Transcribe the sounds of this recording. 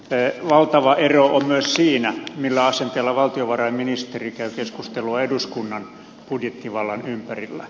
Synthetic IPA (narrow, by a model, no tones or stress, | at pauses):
ʋɑlt̪ɑʋɑʔeroʔommyøssiːnæmilːæɑsent̪eːlːɑʋɑlt̪ioʋɑrɑimminist̪erikæykeskust̪eluɑeduskunːɑn | pudjet̪ːiʋɑlːɑnympærilːæ̰